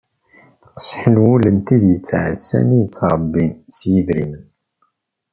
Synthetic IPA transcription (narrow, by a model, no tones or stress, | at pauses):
qə̥sħəlwulənt̪iðjət͡sːʕə̰sːæ̰nijət͡sːɾˤəbːint͡sːjəðɾimən